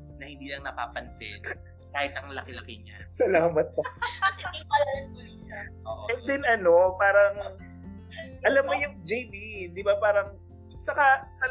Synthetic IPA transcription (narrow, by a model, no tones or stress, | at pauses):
nɐhɪnd̪iːlɐŋnɐpa̰ːpɐnsɪ̰n | kaːhɪt̪ɐŋlɐkɪlɐkɪɲa̰sɐlaːmɐt̪̚ːɐt̪ɪɪpɐlɐɐnʊlisɐoʔʔɛnd̪ɛnɐno̞paːɾɐŋ | ʔɐlɐmːojʊŋd͡ʒejbid̪ɪbapaːɾɐŋ | t͡ʃɐkat̪ɐ